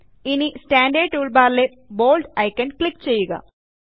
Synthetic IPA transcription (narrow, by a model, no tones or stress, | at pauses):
inisʈaːɳɖeːʈuɭbaːɾle | boːlɖɐjkːɐɳkɭikːt͡ɕe̞jːuɣɐ̰